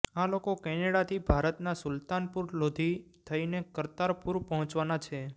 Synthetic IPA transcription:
alokokɛneɽat̪ʰibʱaɾət̪nasʊlt̪anpuɾlod̪ʱi | t̪ʰəinekəɾt̪aɾpuɾpəɦɔ̃t͡ʃʋanat͡ʃʰe

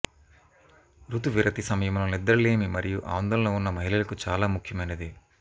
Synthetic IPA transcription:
ɾut̪uʋiɾʔɐt̪isɐmɐjɐmulɐnid̪ːɐɾle̞ːmimɐɾijuʔa̰ːnd̪ɐlɐloːunːɐmɐɦilɐlɐkut͡ʃaːlaːmukʰjɐmɐjnɐd̪i

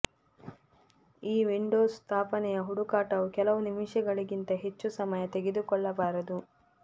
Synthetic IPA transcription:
iːʋiɳɖoːst̪ʰaːpɐnɛjɐɦuɽukaːʈɐʋukɛlɐʋunimiʃɐɡɐɭiɡint̪ɐɦe̞t͡ʃːusɐmɐjɐt̪eɡed̪ukɔɭːɐbaːɾɐd̪u

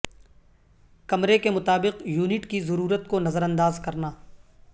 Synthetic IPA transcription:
kɐmɾekemʊt̪aːbɪqjuːnɪʈkizɐɾuːɾət̪konɐzəɾɐ̃nd̪aːzkɐɾnaː

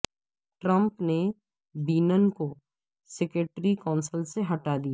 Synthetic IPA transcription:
ʈɾə̃mpne | biːnənko | sɛkeʈɾikɔ̃ːnsəlseɦɐʈad̪ija

